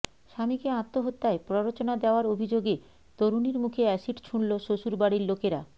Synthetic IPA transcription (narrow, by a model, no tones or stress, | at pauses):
ʃamikeãt̪ːoɦot̪ːaepɾoɾot͡ɕonad̪eoaɾobʱid͡ʑoɡe | t̪oɾuniɾmukʰeɛʃiʈt͡ɕʰuɳloʃoʃuɾbaɽiɾlokeɾa̰